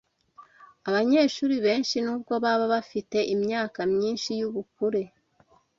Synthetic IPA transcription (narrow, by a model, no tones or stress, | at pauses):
aβaɲe̞ːʃuːɾiβe̞ːnʃinuːbɡo̞βaβaβafite̞ʔimɲaːkamɲiːnʃijuβukuɾe̞